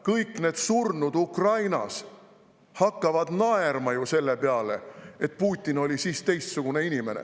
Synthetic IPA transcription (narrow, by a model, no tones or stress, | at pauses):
kɤjkːˑne̞ːd̪surnud̪ukrɑjnɑ̰s | hɑkːɑvɑd̪̥nɑe̞rmɑjuse̞lːe̞peɑle̞̰e̞t̪̚ˑpuːt̪ʲːˑino̞lʲisiːst̪e̞jst̪suɡ̥une̞inime̞nḛ